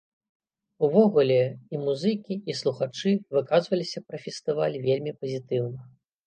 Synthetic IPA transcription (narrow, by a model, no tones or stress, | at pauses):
uvɔɣulʲɛimuzɨkʲiislˠuxat͡ʂɨvɨkazvɐlʲisʲɐpɾɐfʲɛst̪ɨvalʲvʲelʲmʲipɐzʲit̪ɨwnɐ